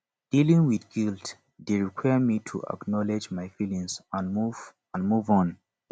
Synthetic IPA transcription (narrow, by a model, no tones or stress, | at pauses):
d̥ilĩŋwiðɡilt | deɹikʰwajəmitʰṵʔa̰knɔled͡ʒmajfilĩŋsãnmuv | ãnmuvɔ̃n